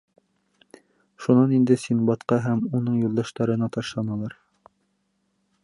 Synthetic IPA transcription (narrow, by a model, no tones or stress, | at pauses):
ʃunɑnind̪ɘsinbɑt̪qɑɦæmunɤɴjulˠd̪ɑʃt̪ɑɾɤ̆nɑt̪ɑʃlˠɑnɑlˠɑɾ